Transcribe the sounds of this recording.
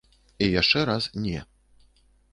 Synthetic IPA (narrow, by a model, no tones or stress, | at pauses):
ijaʂt͡ʂɛɾasnʲɛ